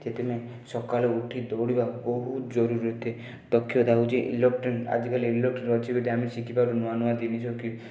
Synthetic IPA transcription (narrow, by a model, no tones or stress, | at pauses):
d͡ʒet̪eme | sɔkalɔuʈʰid̪ɔwɽibabɔɦud͡ʒɔɾuɾiɔt̪ʰe | d̪ɔkʰːjɔd̪aud͡ʒeʔlɔkʈɔna̰d͡ʒikaliilɔk̚ʈɔnɔt͡ʃibeʈ̪amesikʰipaɾunɔanuad̪inisʰɔki